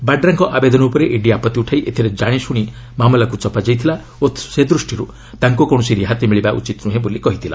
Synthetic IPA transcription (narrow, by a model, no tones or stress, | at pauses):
baɖɾaŋkɔʔabed̪ɔnɔupɔɾeʔeɖiapɔt̪iuʈʰajʔet̪ʰiɾed͡ʒaɽ̃isuɽ̃i | mamɔlakut͡ʃɔpad͡ʒajt̪ʰila | ot̪sed̪ɾusʈʰiɾu | t̪aŋkukɔɽ̃ɔsiɾiɦat̪imiɭibaʔṵt͡ʃit̪nuɦẽbolikɔɦit̪ʰila̰